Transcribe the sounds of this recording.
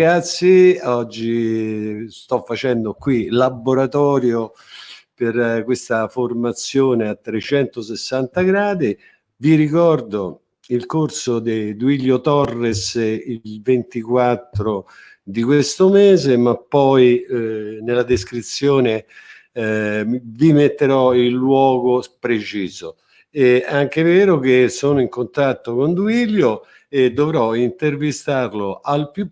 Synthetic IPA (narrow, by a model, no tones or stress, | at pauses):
ɡat̪sːjiɔd͡ʒːi | st̪ɔfːat͡ʃɛnd̪okwilabːoɾat̪ɔːɾjo | perkwest̪aformat̪sːjoːneat̪ːɾet͡ʃɛnt̪osɪsːant̪aɡɾaːd̪i | viɾikɔrd̪o | ilkorsod̪id̪uiʎjot̪ɔrːesilvent̪ikwat̪ːɾo | d̪ikwest̪omɛːzemapːɔj | nelad̪eskɾit̪sːjoːne | vimet̪ːeɾɔilːwɔːɡopɾet͡ʃiːzo | ɛaŋk̟evɛːɾok̟esoːnoiŋkont̪at̪ːokond̪uiʎjo | ed̪ːovɾɔint̪ervist̪arloʔalpju